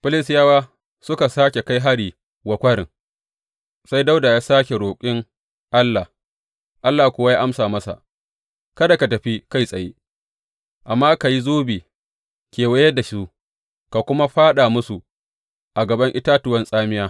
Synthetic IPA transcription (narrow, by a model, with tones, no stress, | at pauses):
ɸɪ˦lɪ˦sjaː˦waː˦ | sʊ˦ka˨saː˦kʲe˨ka˦jɦa˦ɽiː˨ | wɐ˨kʷɐ˦ɽɪ̰˨ŋ | sa˦jda˦wdaː˨jaː˦saː˦kʲe˨ɾoː˨kʲʼɪ˦ŋ | ʔa˦lːa˨ | ʔa˦lːaː˨hkʷʊ˦wa˦jaː˦ʔa˦msaː˨mɐ˦sa̰˨ | kɐ˦da˨ka˨tɐ˨ɸi˦ka˦jsʼɐ˨je˦ | ʔa˨mːaː˦ka˨ji˦zoː˦biː˨ | kʲeː˨wɐ˦jɐ˦da˨ʃu˦ | ka˨kʷʊ˦ma˦ɸaː˦ɗaː˨mʊ˦su˨ | ʔa˨ɡɐ˨bɐ˦ŋʔɪ˦taː˦tʊ˨wɐ˦nsʼaː˦mɪ˦jaː˦